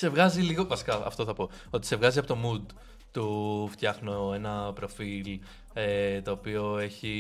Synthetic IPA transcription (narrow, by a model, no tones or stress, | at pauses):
se̞vɣɐziliɣo̞vɐsi̥kɐɐ̰ft̪oθɐpo̞ | o̞t̪i̥sevɣɐziɐpo̞t̪o̞mud̪ | t̪uft̪çɐxno̞e̞nɐpɾo̞fil | et̪o̞ːpio̞e̞çi